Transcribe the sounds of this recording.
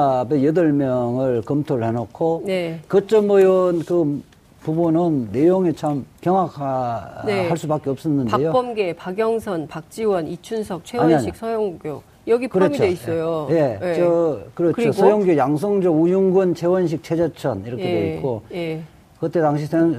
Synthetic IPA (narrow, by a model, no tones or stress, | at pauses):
abejʌdɯɭmjʌŋɯɭkɯmtʰoɾɯɭhe̞nokʰonekɯt͡ɕ͈ʌmmʌjɯnkɯ | pubunɯnːe̞joŋet͡ɕʰamkjʌŋwakʰaehaɭs͈ubak͈eʌp̚s͈ʌnːɯndaejopʌmɡepaɡjʌŋsʰʌnpak̚t͡ɕ͈iwʌnit͡ɕʰunsʰʌk̚t͡ɕʰewaɲaɲiisʰʌjoŋɡjo | jʌɡikɯɾʌmt͡ɕʰoeis͈ʌjoje̞ʌkɯɾʌkɯosʰʌjoŋɡjojaŋsʰoŋd͡ʑoujuŋɡunt͡ɕʰe̞wʌnɕ̬ʰik̚t͡ɕʰed͡ʑʌt͡ɕʰʌniɾʌkkʰedeikk͈oe | kɯt͈et̪aŋɕ̬ʰisʰe